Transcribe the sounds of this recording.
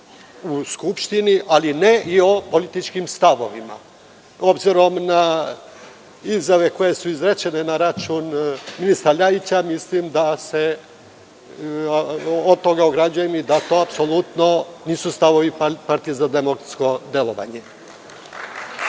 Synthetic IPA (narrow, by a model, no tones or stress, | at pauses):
uskupʃt̪iniʔaline̞ʔio̞po̞lit̪it͡ʃkimst̪aʋo̞ʋima̰ | o̞bziɾo̞mna | izjaʋe̞ko̞je̞suizɾet͡ɕe̞ne̞naɾat͡ʃuːnminist̪ɾaʎait͡ɕamislimd̪ase | ot̪o̞ɡaoɡɾad͡ʑujemid̪at̪o̞ːapso̞lut̪no̞niːsust̪aʋo̞ʋipaɾt̪ijezad̪emokɾat̪sko̞d̪e̞lo̞ʋa̰ɲe